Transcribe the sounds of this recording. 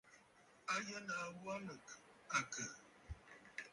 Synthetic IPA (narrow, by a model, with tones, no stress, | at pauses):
a˦jə˦na˨˦wwa˦mə˨ka˨kə˨